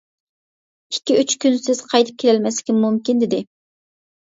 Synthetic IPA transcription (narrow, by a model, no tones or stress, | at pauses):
ikʲːiyt͡ʃkʲynsɪz̥qʰɑjt̪ʰɨ̥p̚kʲʰelɛlmɛsɪ̥kʲinmumkʲind̪ɪd̪ɪ